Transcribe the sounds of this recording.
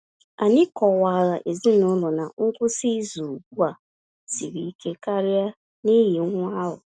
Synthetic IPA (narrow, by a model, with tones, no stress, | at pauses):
a˨ɲɪ˦kɔ˨wa˨ɣa˨ʔe˨zi˦nʊ˦lʊ˨na˨ŋ̩˦kʷʊ˦si˦zu˨ɡu˦a˨ | si˨ɾi˨i˦ke˦ka˦ɾɪ˦a˦ | ni˦ji˨˦ŋʷ˦a˦ɦʊ̰˨